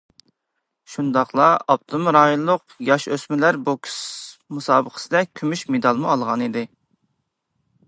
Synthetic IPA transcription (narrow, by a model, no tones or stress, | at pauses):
ʃund̪ɑχlˠɑɑp̚t̪ʰumɾɑːjolˠːʊqjɑʃøsmɪlæɾbukʲʰi̥smusɑːbəqʰə̥sɪd̪ɛkʲʰymyʃmed̪ɑlˠmuɑlˠʁɑnid̪ɪ